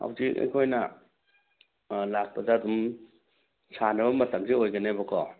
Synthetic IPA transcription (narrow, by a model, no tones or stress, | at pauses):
ha̰wziɐ̰jkʰojnɐ | lak̚pɐdaːdum | sʰanɐbɐmɐtɐmsiojɡɐnebɐkʰɔ